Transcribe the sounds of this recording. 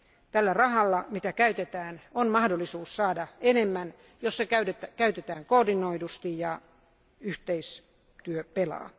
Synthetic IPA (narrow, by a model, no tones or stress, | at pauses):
t̪ælːærɑhɑlːɑmit̪ækæyt̪et̪æːnonmɑhdolːisuːssɑːdɑenemːæn | jossekæyet̪ækæyt̪et̪æːŋkoːdinoidust̪ijjɑ | yht̪eis | t̪yøpelɑ̰ː